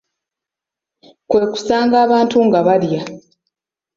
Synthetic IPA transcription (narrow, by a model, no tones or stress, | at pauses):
kwe̞ku̥saːŋɡaːβaːntuŋɡaβalja